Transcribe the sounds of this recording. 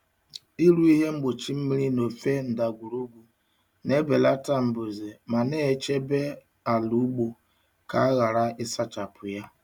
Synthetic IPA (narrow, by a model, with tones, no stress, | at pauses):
i˦ɾu˦i˦ɦe˦ŋ͡m̩˦ɡ͡bo˨t͡ʃi˦m̩˦mi˦ɾi˦no˨fe˦n̩˨da˨ɡʷu˨ɾo˦ɡʷu˨ | ne˦be˨la˦ta˦m̩˨bo˨ze˨ma˨ne˦˨˦t͡ʃe˦be˦ | a˨lu˨˦u˦ɡ͡bo˨ | ka˨a˦ɣa˨ɾa˦ʔɪ˦sa˦t͡ʃa˨pʰʊ˨ja˦